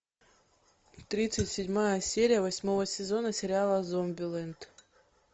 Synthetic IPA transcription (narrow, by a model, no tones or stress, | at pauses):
t̪ɾʲit̪sɨtʲsʲɪdʲmajəsʲeɾʲɪjəvɐsʲmovəsʲɪzo̞nəsʲɪɾʲɪalˠəzombʲɪlˠɛnt̪